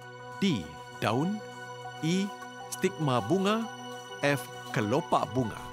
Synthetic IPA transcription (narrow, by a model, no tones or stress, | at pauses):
d̥i | da̰un | i | st̪ik̚mabuŋa | ɛf | kəlopa̰ʔbuŋa̰